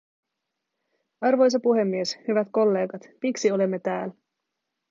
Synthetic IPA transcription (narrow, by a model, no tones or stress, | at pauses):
ɑrʋo̞js̬ɑpuɦe̞mːieshyʋæt̪ko̞lːe̞ːɡɑt̪piksio̞le̞mːe̞t̪æːl